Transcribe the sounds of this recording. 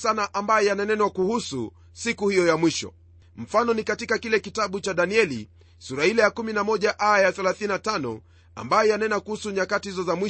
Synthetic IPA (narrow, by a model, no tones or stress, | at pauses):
sanaʔambajɛjananɛnwakuhusṵ | sikuhijɔjamwiʃɔ̰ | m̩fanɔnikatikakilɛkitaɓut͡ʃaɗaniɛlḭ | suɾahilɛjakuminamɔʄaʔajajaθɛlaθininatanɔ̰ | a̰mbajɛjanaɛnakuhusuɲakatihizɔzamwi